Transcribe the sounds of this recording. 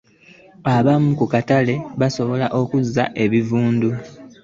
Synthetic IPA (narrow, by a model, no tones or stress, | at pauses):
aβamːukukatale̞βaso̞βo̞laʔo̞kuzːaʔe̞βivuːndu